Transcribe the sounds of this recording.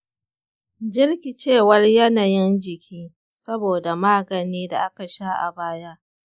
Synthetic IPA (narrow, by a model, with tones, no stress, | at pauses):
d͡ʒɪ˦rkʲi˨t͡ʃeː˦˨wɐ˦rjɐ˦na˨jɪ˦nd͡ʒɪ˨kʲiː˦ | sɐ˦boː˨da˨maː˦ɡɐ˨niː˦da˨ʔa˦ka˨ʃa˦ʔa̰˨baː˦ja˦